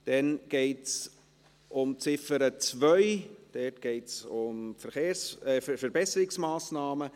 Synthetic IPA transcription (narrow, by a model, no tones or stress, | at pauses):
d̥ɛnɡ̥ɛɪts | ʔʊmt͡sɪfəɾət͡svœʏd̥ɛtɡ̥ɛɪtsʊmfəɾχeːɾsɛfəɾbɛsəɾɪksmaːsnɑːmə